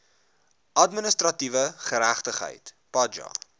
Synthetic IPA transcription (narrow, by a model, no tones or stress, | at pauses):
ʔɐtmənəstrɐtivəχəɾæχtəχɦə̰jt | pɐd͡ʒɑ̰